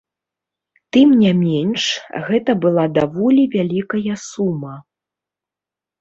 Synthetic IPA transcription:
t̪ɨmnʲamʲɛnʂɣɛt̪ɐbɨlˠad̪avɔlʲivʲalʲikɐjɐsumɐ

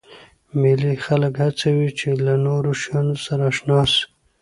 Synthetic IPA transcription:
milixaləkhat͡sawit͡ʃelanoɾoʃɑnosaɾaʃnɑs

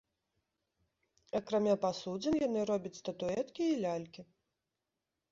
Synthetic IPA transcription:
ɐkɾamʲapasud͡zʲɛnjanɨɾɔbʲɐt͡sʲst̪ɐt̪uɛt̪kʲiːlʲalʲkʲi

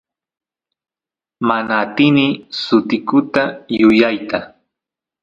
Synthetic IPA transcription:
manaːt̪ɪnɪsʊt̪ɪkʊt̪ajʊjajt̪a

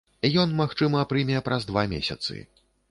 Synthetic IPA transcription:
jɔnmaxt͡ʂɨmɐpɾɨmʲijɛpɾɐzd̪vamʲḛsʲɐ̰t̪sɨ̰

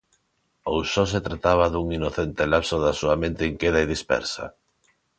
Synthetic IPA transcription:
owsɔs̬et̪ɾat̪aβ̞aðuŋinoθent̪elapsoðasuamẽnt̪eiŋkeðaeðispɛ̰ɾsa̰

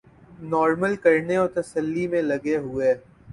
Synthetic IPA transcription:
nɔːɾməlkɐɾneoːt̪ɐsəlːimẽlɐɡeɦʊeː

